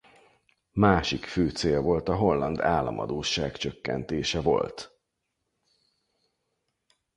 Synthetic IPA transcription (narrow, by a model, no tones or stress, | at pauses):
maːʃikføːt̪seːlvo̞lt̪ɒɦo̞lːɒnd̪aːlːɒ̰mɒ̰d̪oːʃːaːkt͡ʃøkːɛ̰nt̪eːʃɛvo̞̰lt̪